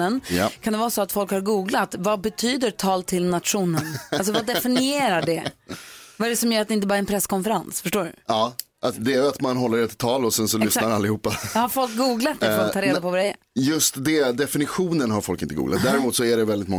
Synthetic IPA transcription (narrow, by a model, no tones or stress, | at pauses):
ənjkʰand̪ɛvɑːɾsɔat̪fɔlkhaɾɡuːɡlat̪vabɛt̪ʰyːd̪ət̪ʰɑːlt̪ʰɪlnat̪ɧuːnənals̬ɔvad̪ɛfɪnɪeːɾaɖɛ | vaɛɾɛsɔmjœːɾat̪̚ɛɪnt̪əbɑːɾaɾɛnpʰɾɛsːkʰɔnfɛɾansfœʂʈoːɖɵ̰ɑː | ʔad̪ɛæjat̪manɦɔlːəɖɛt̪ɪt̪ʰːɑːlɔsɛnsɔlʏsnaɾalːɪhuːpːahaɾfɔlk̚ɡuːɡlat̪ːɛfɔlkt̪ʰɑːɾeːd̪apɔvad̪ɛæ̰ɾjɵst̪d̪ɛd̪ɛfɪnɪɧuːnənɦaɾfɔlkɪnt̪əɡṵːɡla̰t̪̚d̪æːɾɪmuːt̪sɔæɖɛvɛld̪ɪt̪mɔ